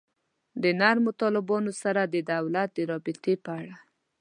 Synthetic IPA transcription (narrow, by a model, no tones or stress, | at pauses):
d̪ənaɾmot̪ɑlɪbɑnosaɾad̪əd̪awlat̪̚d̪əɾɑbɪt̪epəaɽa